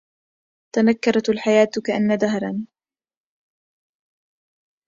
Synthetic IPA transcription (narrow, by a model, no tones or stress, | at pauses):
t̪anakːɑɾˤɑt̪alħajaːt̪kaʔanːad̪aɦɾˤɑn